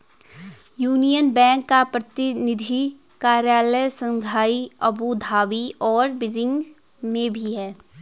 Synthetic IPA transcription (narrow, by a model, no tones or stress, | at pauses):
juːnijənbɛ̃ːŋkːapɾət̪ɪnɪd̪ʱikaːɾjaːləjsə̃ŋɡʱaːiɐbud̪ʱaːʋiɔːɾbɪd͡ʒɪ̃ŋɡ | mẽbʱiɦɛː